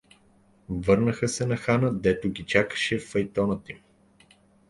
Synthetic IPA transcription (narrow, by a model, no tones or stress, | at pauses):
vɤɾnəxəsɛnɐxanəd̪ɛt̪oɡʲit͡ʃakə̥ʃɛfɐjt̪ɔnət̪im